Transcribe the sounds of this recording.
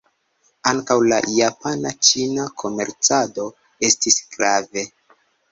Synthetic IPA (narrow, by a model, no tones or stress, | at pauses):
aŋkawlajapanat͡ʃinakʰo̞me̞ɾt͡sado̞ | e̞stisɡ̥ɾave̞